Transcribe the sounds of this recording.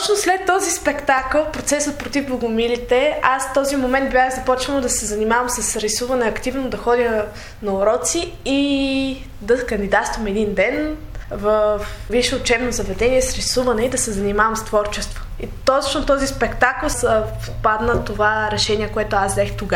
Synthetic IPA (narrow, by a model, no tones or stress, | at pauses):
t̪ɔt͡ʃnoslɛt̪ːɔzispɛkt̪akəlˠpɾot̪sɛsət̪̚pɾot̪ifbˠɐɡʊmilit̪ɛasft̪ɔzimomɛnt̪̚bjaxzɐpɔt͡ʃvənˠod̪ɐsɛzɐnimavəmsɐsɾisuvɐnɛɐkt̪ivnod̪ɐxɔd̪i | nɐoɾɔt̪si | i | d̪ɐkɐnd̪id̪at̪st̪vəmɛd̪ind̪ɛn | vəfviʃəʊt͡ʃɛbnozɐvɛd̪ɛniɛsɾisuvɐnɛid̪ɐsɛzɐnimavɐmst̪vɔɾt͡ʃɛst̪vo̥ | it̪ɔt͡ʃnot̪ɔzispɛkt̪aklˠsəfpad̪nət̪ovaɾɛʃɛniɛkoɛt̪ʊazzɛxt̪oɡa